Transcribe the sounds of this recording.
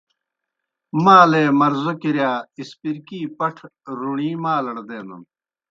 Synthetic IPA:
maːleːmɐɾzokiɾjaːispiɾkiːpɐʈʰɾuɳiːmaːlɐɽd̪eːnɐ̰n

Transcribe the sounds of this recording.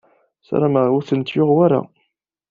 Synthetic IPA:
sa̰ɾaməʁʊɾθənt̪jʊʁwaɾa̰

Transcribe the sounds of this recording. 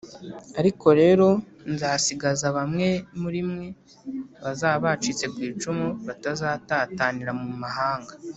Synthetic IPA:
aɾiko̞ɾe̞ːɾo̞ | nzaːsiɡazaβamŋe̞muɾimŋe̞ | βazaːβat͡ʃit͡se̞kwiːt͡ʃumuβatazaːtataːniɾamumaɦaːŋɡa

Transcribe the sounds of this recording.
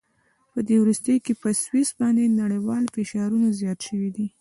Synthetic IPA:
pəd̪ewɾust̪əjkepəswisbɑnd̪enaɽəjwɑlfɪʃɑɾunazjɑt̪ʃəwid̪i

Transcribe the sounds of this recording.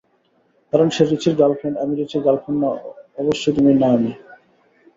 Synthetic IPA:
kaɾonʃeɾit͡ɕʰiɾɡalpʰoɳɖamiɾit͡ɕʰiɾɡalkʰonːaɔboʃːojt̪̬uminami

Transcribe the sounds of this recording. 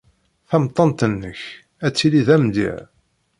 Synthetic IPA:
θæmt̪ˤːɑnt̪ənːəç | æt͡sːiliðæmd̪ḭʕ

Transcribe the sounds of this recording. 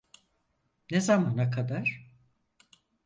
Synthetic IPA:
nezamanakʰad̪aɾ̥

